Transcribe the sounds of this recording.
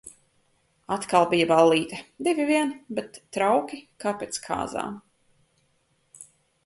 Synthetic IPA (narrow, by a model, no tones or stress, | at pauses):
at̪kalˠbijabalːiːt̪ɐd̪ivʲiviɛnbɛt̪ːɾawkʲikaːpʲeːt̪skʰa̰ːza̰ːm